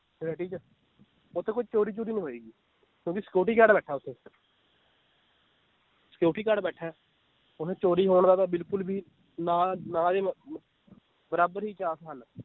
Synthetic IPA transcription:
ɾɛːʈiːt͡ʃ | ʊt̪ʰːẽːkʊt͡ʃt͡ʃoːɾiːt͡ʃuːɾiːnĩːɦoːiːɡiː | kjõːkɪsə̥koːʈiːkaːɖbɛːʈʰɛːʊt̪ʰːeː | sə̥koːʈiːkaːɖbɛːʈʰɛː | ʊnẽːt͡ʃoːɾiːɦoːɳd̪aːt̪ãːbɪlkʊlbʱiː | nãːnãːd̪eː | bəɾaːbəɾɦiːt͡ʃaːsɦəl

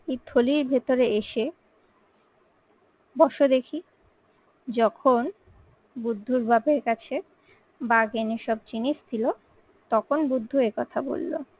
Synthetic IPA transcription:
et̪ʰoliɾbʱet̪oɾeeʃe | bɔʃod̪ekʰi | d͡ʑɔkʰon | bud̪ʱːuɾbʱabeɾkat͡ɕʰe | baɡeneʃɔb̚t͡ɕinit͡ɕt̪ʰilo | t̪ɔkʰonbud̪ʱːuekɔt̪ʰabo̰lːo̰

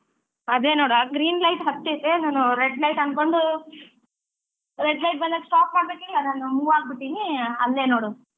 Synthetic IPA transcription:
ɐd̪e̞ːnoːɽaɡɾiːnlɐjʈɦɐt̪ːet̪enaːnuɾeɖlɐjʈɐn̚ko̞ɳɖu | ɾeɖlɐjʈ̚bɐnd̪ɐksʈaːpmaːɽbekilːɐnaːnumuːʋaːɡ̚biʈ̪ːiniɐlːe̞ːnoːɽu

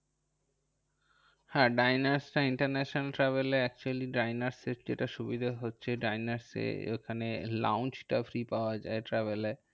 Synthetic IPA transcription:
haɖajnaɾsʈaiɳʈaɾnɛʃonalʈɾɛβeleɛk̚t͡ɕualiɖajnaɾsed͡ʑeʈaʃubid̪ʱaɦotːɕʰeɖajnaɾsḛḛkʰanela̰wnt͡ɕʈafɾipaoad͡ʑaeʈɾɛβele

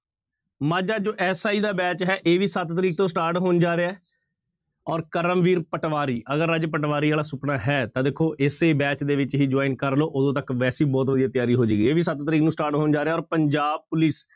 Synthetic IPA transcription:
maːd͡ʒaːd͡ʒoːʔɛːsaːiːd̪aːbɛːt͡ʃɦɛːʔeːʋiːsət̪t̪əɾiːk̚t̪õːsʈaːɾʈɦoːnd͡ʒaːɾeːɛː | ɔːɾkəɾəmʋiːɾpəʈʋaːɾiːʔəɡəɾəd͡ʒpəʈʋaːɾiːaːlaːsʊpnaːɦɛːt̪ãːd̪eːkʰːoːʔɪseːbɛːt͡ʃd̪eːʋɪt͡ʃɦiːd͡ʒaːiːnkəɾloːʔʊd̪õːt̪əkʋɛːsiːbɔːt̪ʋəd̪ijaːt̪ɪjaːɾiːɦoːd͡ʒeːɡiːeːʋiːsət̪t̪əɾiːknũːsʈaːɾʈɦoːnd͡ʒaːɾeːɛɔːɾpəɲd͡ʒaːb̚pʊlis

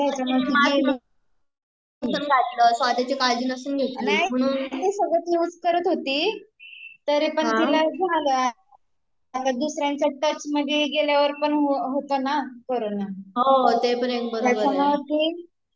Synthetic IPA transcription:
t̪jat͡ɕaməɡii | sənɡʱat̪ləsʋad̪ʱat͡ɕikald͡ʑiːnəsuːnɡʱet̪naɦim̤əɽ̃uːnt̪isəɡɭət̪juːd͡zkəɾət̪ɦot̪iː | t̪əɾipəɳat̪ilaɡʱaalə | t̪ad̪usɾjãɲt͡ɕaʈət͡sməɡʱeɡeljaʋəɾpəɳɦoɦot̪onakoɾonaɦot̪epəɳek̚bəɾjabaməkiː

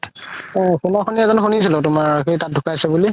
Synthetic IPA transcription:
kunaxoniɛzɔnxonisilʊtʊmaɹkitat̚dʱukasɛbuli

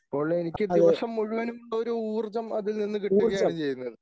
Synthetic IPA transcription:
poːɭenikʲːɨd̪iʋɐʂɐmːuɻuʋɐnumuɭːɐoɾuuːrt͡ɕɐmɐðilninːɨkiʈːuɣɐaɐɳɨt͡ɕe̞jːunːɐðɨ

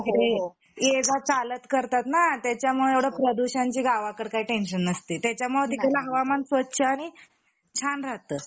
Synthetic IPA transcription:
ɾe | ed͡zat͡salət̪kəɾt̪at̪nat̪jat͡ɕjamuɭeeʋɽ̤apɾəd̪uɕãɲt͡ɕiːɡaʋakəɽkaiːʈenɕənəst̪iːt̪jat͡ɕjamuɭət̪it̪elaɦəʋamansʋətːɕʰəaɽ̃i | t͡ɕʰanɾat̪əː

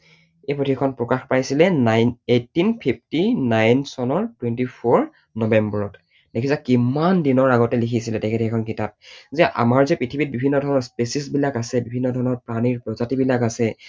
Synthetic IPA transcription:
ejpɹotʰikʰɔnpɹɔkaxpajsilɛnajnetːinpʰip̚ʰtinajnsɔnɔɹtwentipʰɔɹ | nɔbɛmbɔɹɔt | dekʰisakimandinɔɹaɡɔtɛlikʰisilɛtɛkʰetiɛkʰɔnkitap̚zɛʔa̰maɹzɛpɹitʰibit̚bibʱinːɔdʱɔɹnɔɹspesisbilakasɛbibʱinːɔdʱɔɹnɔɹpɹaniɹpɹɔzatibilakasɛ

